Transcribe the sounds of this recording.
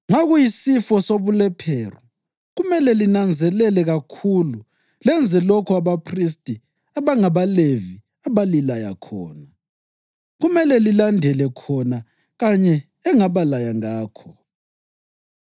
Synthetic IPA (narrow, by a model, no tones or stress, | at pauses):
ŋaɣujisifɔsoβulɛpʰeːru | ɣumɛlɛlinand͡zʱɛlɛlɛɣakʰulu | lɛnd͡zʱɛlɔkʰɔaβapʰris̬tʼi | aβaŋaβalevi | aβalilaja̰kʰɔ̰ːna | ɣumɛlɛlilandʱɛlɛkʰɔna | ɣaɲɛ | ɛŋaβalajaŋaːkʰɔ